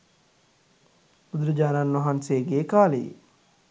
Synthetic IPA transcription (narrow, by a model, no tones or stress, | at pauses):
ʊd̪ɾəd͡ʒaːnaːnːoɦanseːɡeːkaːlḭː